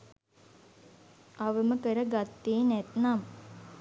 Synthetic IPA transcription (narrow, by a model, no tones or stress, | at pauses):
ɐʋəməkəɾəɡat̪ːiːnet̪nam